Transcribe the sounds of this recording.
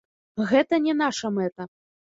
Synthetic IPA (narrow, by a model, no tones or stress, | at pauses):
ɣɛt̪ɐnʲɛn̪aʂɐmɛt̪ɐ